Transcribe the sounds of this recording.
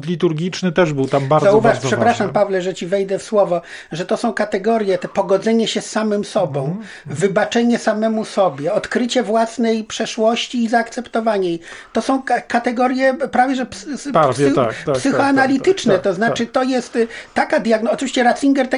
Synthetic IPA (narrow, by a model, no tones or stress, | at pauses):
lʲit̪uɾɡʲit͡ʂnɘt̪ɛʐbɘwt̪ambaɾzauvaʂpʂɛpɾaʂampavlɛʐɛt͡ɕivɛjd̪ɛfswɔvɔ | ʐɛt̪ɔsɔ̃w̃kat̪ɛɡɔɾjɛt̪ɛpɔɡɔd̪zɛɲɛɕɛsːamɘmsɔbɔ̃w̃ | vɘbat͡ʂɛɲɛsamɛmusɔbʲjɛɔt̪kɾɘt͡ɕɛvwasnɛjpʂɛʂwɔɕt͡ɕiːzaːkt̪sɛpt̪ɔvaɲɛjt̪ɔsɔ̃w̃kat̪ɛɡɔɾjɛpɾavʲjɛʐɛpspvʲɛa̰kt̪psɘxɔanalʲit̪ɘt͡ʂnɛt̪ɔznat͡ʂɘt̪ɔjɛst̪ːakad̪ʲjaɡnɔt͡ʂɨvʲiɕt͡ɕɛɾat̪siŋɡɛɾt̪ɛ